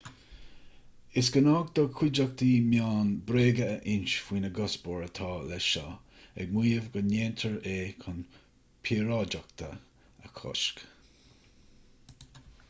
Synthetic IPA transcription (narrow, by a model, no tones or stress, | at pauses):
ɪsɡ̥ənɑːɡ̚d̪̥ɔkʰwɪd͡ʒək̚t̪imjaːnbɾeːɡəːʔɪnt͡ʃfwiːnəɡɔsbɔɹət̪ʰɑːlɛʃɔ | ɛ̰ɡ̚miːəvɡəneːnt̪ʰəɹeːkʰʊn | pʰiːɾɑd͡ʒak̚t̪ʰə̰ | ə̰kʰɔ̰ʃk